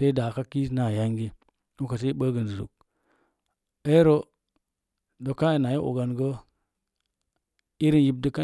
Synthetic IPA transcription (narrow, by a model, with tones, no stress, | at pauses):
se˦i˦da˨ka˦ki˦sna˨ja˦ŋɡi˦ | u˦ka˨s̬e˦i˦ɓə˦ɡə˨n˨di˨zṵ˨k̚ | e˦ɾo˦ | do˨kːa˦i˨na˨ji˦ʔo̰˨ɡa˨nɡə˦ | i˦ɾi˦nji˦b̚də˦ka˦